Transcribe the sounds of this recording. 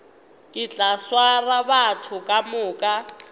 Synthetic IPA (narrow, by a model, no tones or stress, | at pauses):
kʼɪt͡ɬʼaswaraβatʰʊkʼamʊːkʼa